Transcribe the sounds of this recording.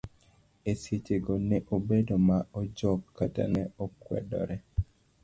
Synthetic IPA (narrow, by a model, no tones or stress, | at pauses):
esjet͡ʃeɡɔneʔobedomaɔd͡ʒɔkːata̰nɛɔkwɛ̰dɔ̰ɾɛ